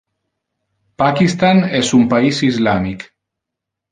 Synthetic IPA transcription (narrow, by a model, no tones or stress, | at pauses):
pakist̪anezumpaisizlamik